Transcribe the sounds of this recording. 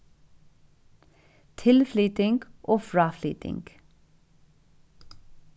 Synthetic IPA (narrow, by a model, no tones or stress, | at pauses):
t̪ʰɪlflyːt̪ɪŋɡʔoːfɹɑːfly̰ːt̪ɪ̰ŋɡ̥